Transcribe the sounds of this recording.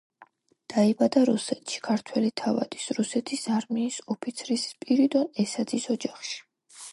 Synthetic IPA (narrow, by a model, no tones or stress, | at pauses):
d̪̥aibad̪aɾusɛt̪ʰʃi̥kʰaɾt̪ʰwɛlit̪ʰava̰d̪̥i̥sɾusɛt̪ʰisaɾmiːsɔpʰit̪sʰɾispʼiɾid̪ɔnɛsad̪zisɔd͡ʒaχʃi̥